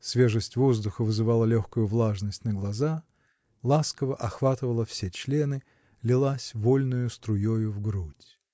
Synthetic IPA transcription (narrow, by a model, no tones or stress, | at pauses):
svʲeʐəsʲtʲvozd̪ʊxəvɨzɨvalˠəlʲoxkʊjʊvlˠaʐnəsʲtʲnəɡlˠɐza | lˠaskəvəʔɐxvat̪ɨvəlˠəfsʲet͡ɕlʲe̞nɨ | lʲɪlˠasʲvolʲnʊjʊst̪ɾʊjojʊvɡɾutʲ